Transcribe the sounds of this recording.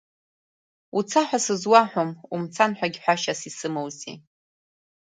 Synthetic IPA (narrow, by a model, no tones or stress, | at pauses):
ut͡sʰaħʷᶣasɨzwaħʷᶣomumt͡sʰanħʷᶣaɡʲħʷᶣaʃasisɨmowzḭ